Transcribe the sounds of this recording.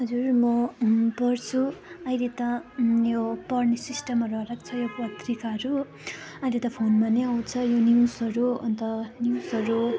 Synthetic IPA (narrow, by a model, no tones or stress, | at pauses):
ɦʌd͡zurmʌpʌrt͡sʰuʌjlet̪ʌjopʌrnisisʈʌmʌrɾʌɾʌkt͡sʰʌjopʌt̪rikaɦʌɾu | ʌjlet̪ʌpʰonmaneaw̃t͡sʰʌjoniwsʌɾuʌ̰nt̪ʌniwsʌɾu